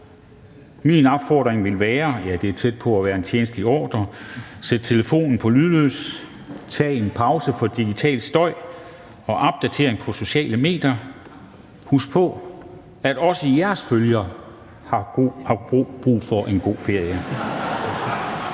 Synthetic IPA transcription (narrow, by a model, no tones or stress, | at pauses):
minɒb̥fɒ̰ːd̥ʁeŋʋe̝lʋæːɐjæd̥e̝æɐt͡sʰed̥̚pʰɒ̽æʋæːɐe̝nt͡ɕʰjeːnəsd̥əliɒ̰ːd̥ɐsed̥̚t͡sʰe̝ləfo̝̰ːnn̩pʰɒ̽lyðˠløs | t͡sʰɛ̰ːe̝npʰɑ̈ʊsəfɒ̽d̥iɡ̥it͡sʰɛ̰ːld̥sd̥ɒ̽ɪ̰ | ɒ̽ʔɑb̥̚d̥æt͡sʰe̝ɐ̰eŋpʰɒ̽so̝ɕɛ̰ːləme̝̰ːd̥jɐ | husɡ̥̚pʰɒ̽ | æɾ̥ɒ̽səijæɐsføljɐ | hɑ̈hɑ̈b̥ʁṵːfɒ̽ʔe̝nɡ̥o̝̰ːfe̝ɐ̰jə